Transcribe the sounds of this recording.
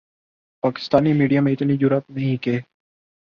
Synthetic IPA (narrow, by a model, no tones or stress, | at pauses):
paːkɪ̥st̪aːniːmiːɖijaːmẽːɪt̪niːd͡ʒʊɾət̪nəɦĩkeː